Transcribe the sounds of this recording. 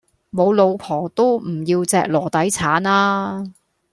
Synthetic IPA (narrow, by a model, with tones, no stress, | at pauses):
mo˨˧wlo˨˧wpʰɔː˨˩t̪o˥wm̩˨˩jiː˧wt͡sɛː˨k̚lɔː˨˩t̪ɐ˨˥jt͡sʰaː˨˥naː˥